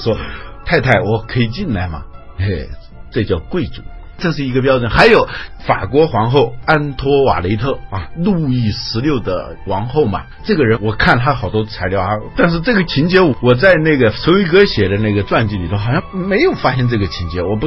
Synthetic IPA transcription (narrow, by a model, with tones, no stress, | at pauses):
ʂwɔ˥t̪ʰa˥˧ɪt̪ʰa˥˩ɪwɔ˨˩kʰɤ˧˥i˨˩t͡ɕi˥˩nla˧˥ɪmɐ̰˨˩ | e˥˧˩ | ʈ͡ʂɤ˥˧t͡ɕjɑ˥˧ʊkwe˥˩ɪʈ͡ʂṵ˨˩˦ | ʈ͡ʂɤ˥˧ʂ̬ɻ̩˥˩i˧˥ɡə˧p̬jɑ˥ʊʈ͡ʂwə˨˩nxa˧˥ɪjo˨˧˩ʊfa̰˨˩kwɔ˧˥xwɑ˧˥ŋxo˥˩ʊa˥nt̪ʰwɔ˥wa̰˨˩le˧˥ɪt̪ʰɤ˥˩ɐ˧lu˥˧i˥˩ʂɻ̩˧˥ljo˥˩ʊd̪ə̰˩ | wɑ˧˥ŋxo˥˩ʊmɐ̰˨˩ | ʈ͡ʂɤ˥˩ɡə˩ɻə˧˥nwɔ˨˩kʰa˥˩nt̪ʰa˥xɑ˨˩ʊt̪wɔ˥˩t͡sʰa˧˥ɪljɑ˧˥ʊ˥˩t̪a˥˧nʂ̬ɻ̩˥˧ʈ͡ʂɤ˥˩ɡə˩t͡ɕʰi˧˥nt͡ɕjɛ˥wɔ˨˩t͡sa˥˧ɪna˥˩ɡə˩sʰo˧˥wi˧˥kɤ˥ɕjɛ˨˩d̪ə˦na˥˩ɡə˩ʈ͡ʂwa˥˧nt͡ɕi˥˩nli˨˩o˥ʊxjɑ˥˩ŋme˧˥ɪjo˨˩ʊfa˥ɕɛ˥˧nʈ͡ʂɤ˥˩ɡə˩t͡ɕʰi˧˥nt͡ɕjɛ˧˥wɔ˨˩p̬u˧˥